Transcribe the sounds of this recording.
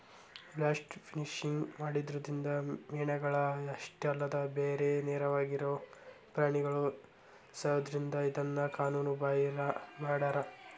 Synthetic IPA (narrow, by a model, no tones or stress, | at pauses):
blaːsʈpʰiniʂiŋɡmaːɽid̪ɾod̪ɾind̪ɐmiːɳɐɡɐɭɐɐʂʈɐlːɐd̪ɐbeːɾenɛːɾɐʋaːɡiɾoː | pɾaːɳiɡɐɭu | sɐɐd̪ɾind̪ɐid̪ɐnːɐkaːnuːnubaːjɐlɐmaːɽaːɾɐ